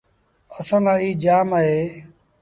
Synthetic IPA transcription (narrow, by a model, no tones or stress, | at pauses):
əsãːnãːiːd͡ʒaːmaːɦeː